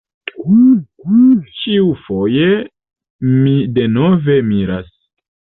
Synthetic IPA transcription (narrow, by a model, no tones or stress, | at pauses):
t͡ʃiufo̞je | mide̞no̞ve̞miɾa̰s